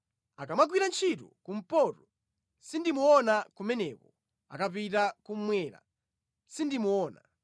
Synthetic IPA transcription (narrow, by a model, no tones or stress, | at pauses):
akamaɡwiɾant͡ʃʰitṵkum̩pɔtɔ | sindimuɔnakumɛnɛpɔ | a̰kapitakum̩mwɛːɾa̰ | sindimuɔːna̰